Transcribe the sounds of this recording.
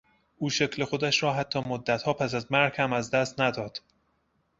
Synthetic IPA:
ʔuːʃe̞cʰlexod̪æʃɾɒːɦæt̪ʰːɒːmod̪ːæt̪hɒːpʰæs̬æzmæɾhhæmæzd̪æst̪næd̪ɒːd̪̥

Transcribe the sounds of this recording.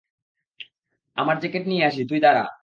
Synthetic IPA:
a̰maɾt͡ɕekeʈnieaʃ̬it̪ujd̪aɾa̰

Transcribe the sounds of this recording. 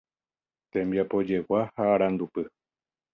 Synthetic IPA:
t̪ẽ̞mbjapo̞d͡ʒe̞wahaːɾãnd̪upɨ

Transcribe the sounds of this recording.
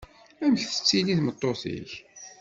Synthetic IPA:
æməçθə̥t͡sːiliθmət̪ˤːoθḭç

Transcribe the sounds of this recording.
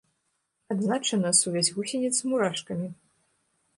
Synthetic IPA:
ad̪znat͡ʂɐnɐsuvʲasʲɣusʲenʲɛt̪smuɾaʂkɐmʲi

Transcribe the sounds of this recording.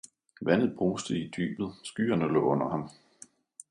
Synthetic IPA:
ʋæn̰ð̩ˠb̥ʁuːsd̥əid̥y̰ːb̥ð̞̩ˠsɡ̥y̰ːɐnəlɔ̰̽ːɔ̽n̰ɐhɑ̈m

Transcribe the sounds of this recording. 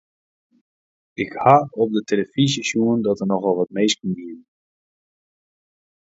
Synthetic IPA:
ɪkhaɔp̚dətʰeləfizəsuəndɔtərnɔχʋɔlˠʋɔt̚mejskəndiən

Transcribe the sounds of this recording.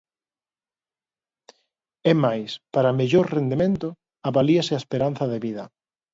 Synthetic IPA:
ɛmajspaɾɐmeʎoɾrend̪emẽnt̪ʊ | aβaliasɪaespeɾan̟θɐðeβiðɐ

